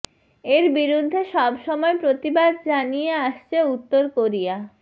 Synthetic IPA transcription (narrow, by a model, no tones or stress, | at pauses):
eɾbiɾud̪ʱːeʃɔbʃɔmɔepɾot̪ibad̪̚d͡ʑanijeaʃt͡ɕʰeut̪ːoɾkoɾija